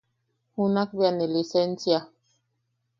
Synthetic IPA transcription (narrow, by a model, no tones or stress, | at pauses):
hunak̚bianelisensja